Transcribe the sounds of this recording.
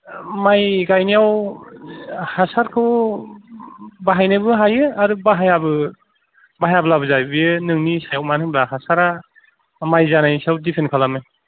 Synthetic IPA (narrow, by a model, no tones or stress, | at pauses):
majɡajnijaw | hasaɾkʰɯw | baɦajnɯbɯɦajɯaɾubaɦajabɯ | baɦajabɯlabɯzabijɯnɯŋnisajawmanɯŋblaɦasaɾa | majzanajsiawdipʰenkʰalamɯj